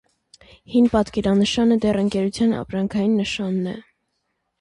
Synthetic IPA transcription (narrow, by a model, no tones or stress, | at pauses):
hinpɑt̪kɛɾɑnəʃɑnəd̪ɛrəŋkɛɾut͡sʰjɑnɑ̰pɾɑŋkʰɑjinːəʃɑnːɛ